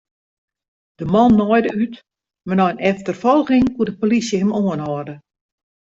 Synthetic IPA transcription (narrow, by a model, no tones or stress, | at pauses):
d̥əmɔnːɔjdəyt | mɛnɔjnɛftərfɔlˠɣɪŋkuədəpolisjəhɪmoənhɔrdə